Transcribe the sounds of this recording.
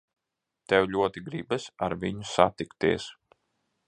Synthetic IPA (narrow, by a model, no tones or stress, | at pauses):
t̪ɛwlʲuɔt̪iɡɾibɨsaɾviɲusa̰t̪ikt̪iɛs